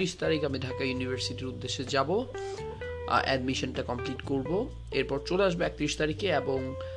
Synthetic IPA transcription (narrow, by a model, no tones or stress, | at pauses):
ɾiʃt̪aɾikamidʱakajunibʱaɾsiʈiɾud̪ːeʃːed͡ʑabo | ɛ̰ɖmiʃonʈakɔmpliʈkoɾbo | eɾpɔɾt͡ɕoleaʃ̬boɛk̚t̪ɾiʃt̪aɾikeeboŋ